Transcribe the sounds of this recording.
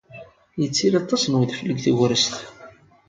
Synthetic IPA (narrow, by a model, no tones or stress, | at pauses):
jət͡sːiɾɑt̪ˤːɑsənwiðfəlːəɡθiɣɾəst̪